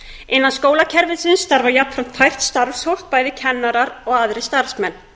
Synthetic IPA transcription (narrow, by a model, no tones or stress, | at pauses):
ɪnːanskoːwlacʰɛɾvɪnsɪnst̪aɾvajapfɾam̥t̪fajr̥t̪st̪aɾvshowl̥k̚paːjðɪcʰɛnːaɾaɾɔɣaðɾɪst̪aɾ̥fsmɛnː